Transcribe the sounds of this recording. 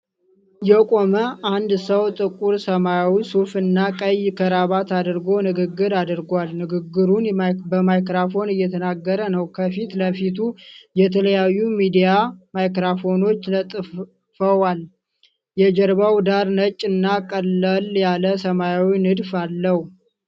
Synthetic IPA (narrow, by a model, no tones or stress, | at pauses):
jɛkʼo̞məʔand̪səwt̪ʼɨkʼːuɾsəmajawisufɨnːakʼəjkʰəɾaβat̪ad̪ɨɾɡo̞nɨɡɨɡːɨɾad̪ɨɾɡʷalnɨɡɨɡːɨɾunbəmajkɾafo̞nɨjːɛt̪ʰənaɡːəɾənəwkʰəfit̪ləfit̪ʰujɛt̪ʰələjajːumid̪ijamajkɾafo̞no̞t͡ʃːlət̪ʼ | fəwal | jɛd͡ʒəɾbawd̪aɾnət͡ʃʼːɨnːakʼəlːəljaləsəmajawinɨd̪falːəh